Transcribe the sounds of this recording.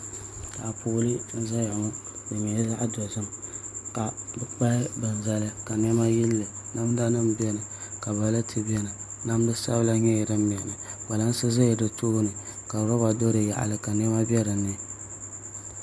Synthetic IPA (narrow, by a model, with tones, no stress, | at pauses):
ta˨a˨pu˦lɨ˦n̩˦za˦jŋ˦bɨ˨ɲɛ˨˦za˦ʔdɔ˨zɨ˦mka˨bɨ˦k͡pa˦ɪ˦bɨ˨n˨za˦lɨ˦ka˨n˦ɛ˦ma˦ji˦lːɨ˨ | na˦m˦da˦nɨ˦mbɛ˦nɨ˨ka˨ba˨˦la˦tʰɨ˦bɛ˦nɨ˨ | na˦m˦dɨ˦sa̰˦bla˦ɲɛ˦ji˨dɨ˦m˨ɛ˨nɨ˨ba˨la˦n˦sɨ˦zɨ˦jɪ˨dɨ˨toː˦nɨ˨ka˨ɾɔ˦ba˨do˦ɾɨ˨ja̰˨ʔa̰˨lɨ˦ka˨n˦ɛ˦ma˦bɛ˦ɾɨ˨nɨ˦